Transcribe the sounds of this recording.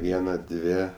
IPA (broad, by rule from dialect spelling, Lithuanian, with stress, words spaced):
ˈʋʲiɛnɐ ˈdʲʋʲeː